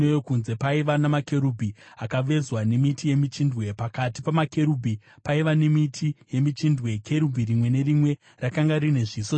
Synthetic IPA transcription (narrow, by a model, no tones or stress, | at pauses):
ejokunze̞paiʋanamake̞ɾubʱiakaʋe̞zwane̞mitʰije̞mit͡ʃindwe̞pakati̥pamake̞ɾubʱi | paiʋanemitʰije̞mit͡ʃindwe̞kʰe̞ɾubʱirimwe̞ne̞rimwe̞ | rakaŋɡarine̞ʐiːso